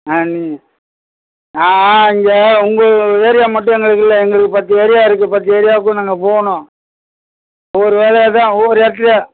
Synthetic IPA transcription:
ɐni | aːɪŋɡeʊŋɡɐeːɾɪjaːmɐʈːʊ̃ɛŋɡɐɭɯk̬ːɪlːɐɛŋɡɐɭɯkːɯpɐt̪ːieːɾɪjaːɪɾɯk̬ːɯpɐt̪̬ːieːɾɪjaːʋk̬ːɯ̃naːŋɡɐpoːɐnõː | ɔɾɯʋeːlɛjat̪ãːoɾɯɛt̪̬ːɾɪja

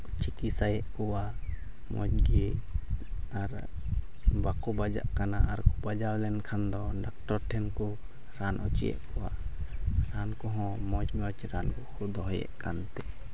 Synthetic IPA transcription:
t͡ʃikisajɛʔkɔwa | mɔ̰d͡ʒ̚ɡɛ | aɾ | bakɔbad͡ʒa̰ʔkanaʔaɾkubad͡ʒawlɛnkʰand̪ɔɖak̚ʈɔɾʈʰɛnkɔ | ɾanʔɔt͡ʃijɛ̰ʔkɔwa̰ | ɾankɔɦɔ̃mɔd͡ʒmɔd͡ʒɾankɔkʰɔd̪ɔɦɔjɛ̰ʔkant̪ɛ

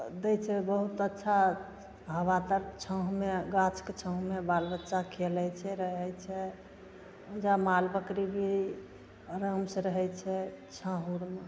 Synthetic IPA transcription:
d̪ɛt͡ʃʰɛbəɦut̪ətːʃʰa | ɦəʋat̪əɾt͡ʃʰə̃ɦmeɡat͡ʃʰket͡ʃʰə̃ɦmebalbətːʃakʰelɛt͡ʃʰɛɾəɦɛt͡ʃʰɛ | d͡ʒamalbəkɾibʱi | ɾəmsəɾəɦɛjt͡ʃʰɛt͡ʃʰə̃ɦuɾme

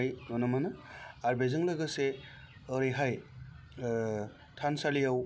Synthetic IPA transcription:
jŋɯnɯmanɯaɾbezɯŋlɯɡɯse | ɯɾiɦaj | tʰansalijaw

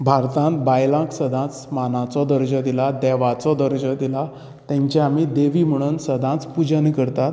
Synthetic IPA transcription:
bʱaɾt̪ãnt̪bajlãksəd̪ʱãt͡smanãt͡sɔd̪əɾd͡ʑəd̪ilad̪ɛʋat͡sɔd̪əɾd͡ʑəd̪ila | t̪ɛ̃ɲt͡ɕaamid̪eʋim̤əɽ̃unsəd̪ʱãt͡spud͡ʑənkəɾt̪at̪

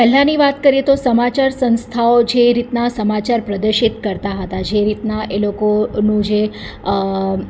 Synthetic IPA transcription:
pɛɦlãniʋat̪kəɾiet̪osəmat͡ʃaɾsə̃ñst̪ʰaod͡ʒeɾit̪nasəmat͡ʃaɾpɾəd̪əɾʃit̪kəɾt̪aɦət̪ad͡ʒeɾit̪naʔelokonũd͡ʒe

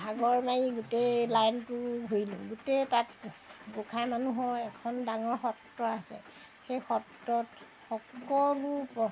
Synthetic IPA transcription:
bʱaɡɔɹmaiɡutelajntuɦojlṵ̃ɡutɛtatɡukʰajmanuɦɔɛkʰɔndaŋɔɹxɔtːɔasɛ̰ | xejxɔtːɔt | xɔkɔlupɔ

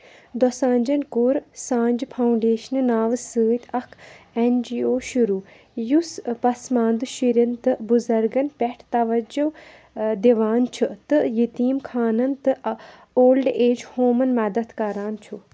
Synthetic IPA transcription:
d̪osãːnʲd͡ʒɐnkuɾsãːnd͡ʒpʰɐuɳɖeːʃnɨnaːʋsɨːt̪ʲʰɐkʰend͡ʒiːoːʃuɾuː | juspɐsmaːnd̪ɨʃiɾɐnt̪ɨbuzɐɾɡɐnpɛʈʰt̪ɐʋɐd͡ʒuʋ | d̪eʋaːnt͡ʃʰut̪ɨjit̪iːmkʰaːnɐnt̪ɨ | oːlɖeːd͡ʒhoːmɐnmɐd̪ɐt̪kɐɾaːnt͡ʃʰu

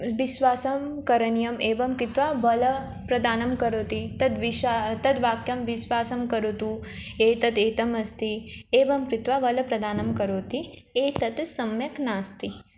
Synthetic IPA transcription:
ʋiʃʋaːsɐmkɐɾɐnijɐmeːʋɐmkɾit̪ʋaːʋɐlɐ | pɾɐd̪aːnɐmkɐɾoːt̪it̪ɐt̪ʋiʃat̪ɐt̪ʋaːkjɐmʋiʃʋaːsɐmkɐɾut̪ueːt̪ɐt̪eːt̪ɐmɐst̪ieːʋɐmkɾit̪ʋaːʋɐlɐpɾɐd̪aːnɐmkɐɾoːt̪ieːt̪ɐt̪sɐmjɐknaːst̪i

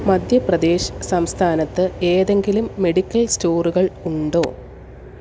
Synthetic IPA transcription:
mɐd̪ʱjɐprɐd̪e̞ːɕɐ̥sɐmst̪ʰaːnɐt̪ːɨe̞ːðe̞ŋɡilumːe̞ɽikʲːɐlsto̞ːruɣɐɭuɳɖo̞̰ː

